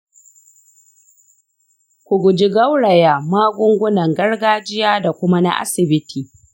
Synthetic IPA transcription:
kʷʊ˨ɡʷʊ˨d͡ʒi˦ɡɐ˦wɽɐ˨ja˨maː˦ɡʷʊ˦ŋɡʷʊ˦nɐ˨ŋɡɐ˦rɡaː˦d͡ʒɪ˦jaː˦da˨kʷʊ˦ma˦na̰˦ʔa̰˦sɪ˨bɪ˦tʰiː˨

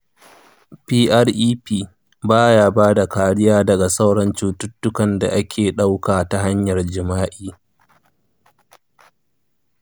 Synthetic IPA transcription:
piː˦ʔɐ˦rʔiː˦piː˦˨ | baː˦jaː˦baː˦da˨kaː˨ɽɪ˦jaː˦dɐ˨ɡa˨sa˦wɽɐ˨nt͡ʃuː˦tʊ˦tːʊ˦kɐ˨nda̰˨ʔa˦kʲʰeː˨ɗa˦wkaː˨ta˨ɦa˦ɲjɐ˨rd͡ʒɪ˨maː˦ʔiː˦

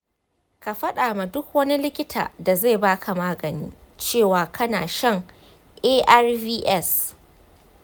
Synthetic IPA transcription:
ka˨ɸɐ˦ɗaː˨ma˨dʊ˦k̚wɐ˦ni˦lɪ˦kʲɪ˦tʰa̰ː˨da˨za˦˨baː˦kʰa˨maː˦ɡɐ˨niː˦ | t͡ʃeː˦˨waː˨kʰɐ˦na̰ː˨ʃɐ˦ŋ | ʔeː˦ʔa˦rviː˦ʔɛ˦˨s

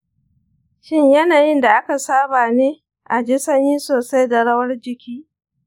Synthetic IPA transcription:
ʃɪ˦ɲjɐ˦naː˨jɪ˦nda˨ʔa˦ka˨saː˦baː˨neː˦ | ʔa˨d͡ʒiː˦sɐ˦niː˦soː˨sa˦jda˨ɽɐ˦wɐ˦rd͡ʒɪ˦kʲiː˦

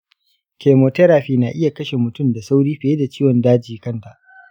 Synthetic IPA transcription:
kʲeː˨moː˨tɛ˦ɾaː˨ɸiː˦naː˨ʔɪ˦ja˨kɐ˦ʃe˨mʊ˨tʊ˦˨mda˨sa˦wɽiː˦ɸɪ˨e˦da˨t͡ʃiː˦wɔ˨ndaː˦d͡ʒiː˨kɐ˦nta˨ʔ

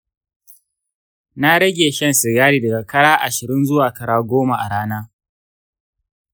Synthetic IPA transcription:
na˦ɽɐ˦ɡʲeː˨ʃɐ˦nsɪ˨ɡaː˦ɽiː˦˨dɐ˨ɡa˨kɐ˦ɽaː˦ʔa˨ʃɪ˨ɾɪ˦nzʊ˦waː˨kɐ˦ɽaː˦ɡʷoː˦ma˨ʔa˨ɽaː˦naː˦

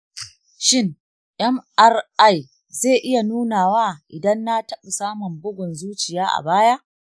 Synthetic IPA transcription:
ʃɪ˦ŋ | ʔɛ˦mʔɐ˦rʔa˦˨j | zeː˦˨ʔɪ˦ja˨nuː˦naː˨waː˦ʔɪ˨dɐ˦nːa˦tɐ˦ɓa˨saː˦mʊ˨mbʊ˦ɡʷʊ˨nzuː˦t͡ʃɪ˨jaː˦ʔa̰˨baː˦ja˦ʔ

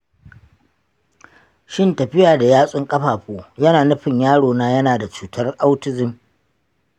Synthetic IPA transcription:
ʃɪ˦ntɐ˨ɸɪ˦jaː˨da˨jaː˦sʼʊ˦ŋkʼɐ˦ɸaː˨ɸoː˦jɐ˦naː˨nʊ˦ɸɪ˨ɲjaː˦ɽoː˨naː˦jɐ˦naː˨da˨t͡ʃuː˨tʰɐ˦rʔa˦wtɪ˦zɪ˨m

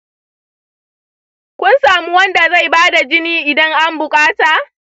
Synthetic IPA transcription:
kʷʊ˦nsaː˨mu˦wɐ˦nda˨za˦˨jbaː˦da˨d͡ʒɪ˦niː˦ʔɪ˨dɐ˦ŋʔa˦mbʊ˨kʼaː˦taː˨

